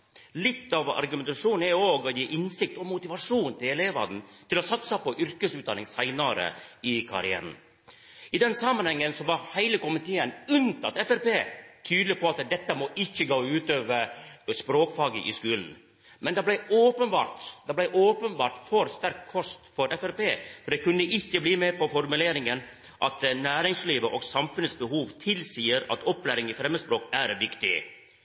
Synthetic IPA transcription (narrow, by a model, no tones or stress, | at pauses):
lɪt̪ːɑʋɑ̰ɾɡʉmɛnt̪ɑʂuːnn̩ɛɾjoːɡɔjiːʔɪnsɪk̚t̪ɔmʊt̪ɪʋɑʂuːnt̪ʰɪɛleːʋɑ̰d̪n̩t̪ʰɪlɔsɑt̪səpɔʔʏɾkəsʉːt̪d̪ɑ̰nɪŋsæɪnɑɾə̰ɪkʰɑ̰ɾɪ̰æ̰ːɾn̩ | ɪd̪ɛnsɑmːɑnhɛŋːənsɔʋɑhæɪləkʊmɪt̪ʰeːənʉnt̪ʰɑ̰t̪ɛfæɾpeːt̪ʰyːd̪lɪpʰɔɑt̪d̪ɛt̪ːəmɔʔɪçːəɡoːʉːt̪øːʋəspɾoːkfɑːɡəʔɪ̰skʉːln̩ | mɛnd̪ɑblæɪoːpənbɑːɾt̪d̪ɑblæɪʔoːpənbɑ̰ːɾt̪fɔɾst̪æɾkʰːɔst̪fɔɾɛfæɾpeːfɔɖ̪ɛkʉnəʔɪçːəbliːmɛpɔfɔɾmʉleːɾɪŋən | ʔɑt̪næːɾɪŋsliːʋəʔɔɡsɑmfʉnəsbəhuːʋt̪ʰɪlsiːəɾɑ̰t̪ɔpːlæːɾɪŋɪfɾɛmːəd̪əspɾoːkæɾʋɪkt̪ɪ̰